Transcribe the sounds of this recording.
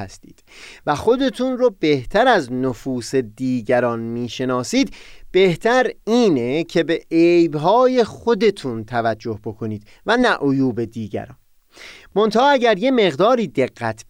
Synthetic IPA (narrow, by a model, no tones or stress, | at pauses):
æst̪iːd̪̥væxo̞d̪e̞t̪ʰunrobe̞ht̪ʰæɾæznofuːse̞d̪iːɟæɾɒnmiːʃe̞nɒːsiːd̪b̥e̞ht̪ʰæɾiːnecʰe̞beejbɦɒːje̞xo̞d̪e̞t̪ʰunt̪ʰævæd͡ʒːo̞hbo̞kʰo̞niːd̪ | vænæʔojuːbe̞d̪iːɟæ̰ɾɒ̰ːn | mo̞nt̪ʰɒːæɟæɾje̞me̞ɣd̪ɒːɾiːd̪e̞ɣːæt̪ʰb